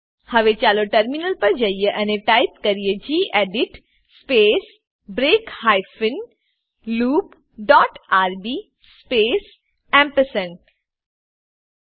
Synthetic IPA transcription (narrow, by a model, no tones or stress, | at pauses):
hɐʋet͡ʃaːloʈɐɾminəlpɐɾd͡ʒaijeʔɐneʈaːɪp̚kɐɾijed͡ʒiːʔɛːɖɪʈ | speːs | bɾeːkhaːɪfɪn | luːp | ɖɔːʈaːɾbiː | speːs | ɛ̃mpəsən